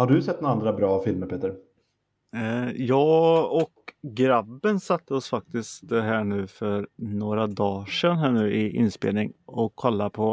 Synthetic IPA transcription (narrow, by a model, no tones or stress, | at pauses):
haɖɵsɛt̪̚ːnːand̪ɾabɾɑːfɪlməɾpʰeːt̪əɾ | jɑːɔkɡɾabːənsat̪ʰːəɔsfak̚t̪ɪst̪ɦæːɳʉ̟ːfœɾnoːɾad̪ɑːʂɛnɦæːɳʉ̟ːʔɪʔɪ̰nːspḛːlnɪŋɔkʰːɔlːapʰɔ